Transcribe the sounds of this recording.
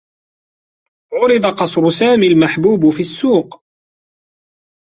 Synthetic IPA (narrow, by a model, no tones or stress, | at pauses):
ʕʊɾɪd̪ˤɑqɑsˤɾʊsaːmiːlmaħbuːbfiːasːuːq